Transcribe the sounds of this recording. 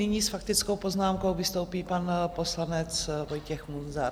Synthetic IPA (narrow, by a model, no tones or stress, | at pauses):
nɪɲiːsfakt̪ɪt͡skowpo̞znaːmkowvɪst̪owpiːpanpo̞slanɛt͡svo̞jcɛxmunza